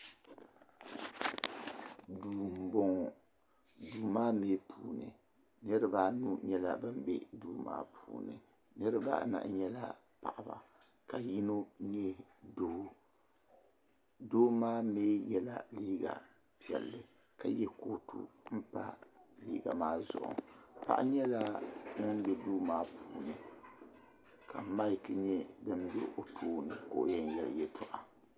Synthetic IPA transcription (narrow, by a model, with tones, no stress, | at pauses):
duː˨m˨bo˦ŋ˨ | duː˨maː˦meː˦pʰuː˨nɨ˨ | nɨ˦ɾɨ˦baː˦nu˦ɲɛ˦la˨bɨ˦m˦bɛ˦duː˨˦ma̰ː˦pʰuː˨nɨ˨ | nɨ˦ɾɨ˦ba̰ː˦˨˦na̰˨ʔɲɛ˦la˦ | pa˨ʔa˨ba̰˨ | ka˨ji˦no˦ni˦ɛ˦do˨˦ | doː˦maː˦meː˦jɛ˦la̰˨liː˦ɡa̰˨ | pi˦˨ɛ̰˨lːɨ˨ | ka˨jɛ˦koː˦tʰṵ˦m̩˦pa̰˦lḭː˦ɡa̰˨maː˦zʊ̰˨ʔʊ̰˨pa̰˨ʔɲɛ˦la˦nɨ˦n˦bɛ˨duː˦maː˦pʰuː˦˨nɨ˨ | ka˨ma˦˨kɨ˦ɲɛ˦dɨ˦m˦bɛ̰˦ʔo˨tʰuː˦nɨ˨ko̰˨ʔjɛ˦n˦jɛ˨l̰jɛ˦tʰʊ˨ʔa˨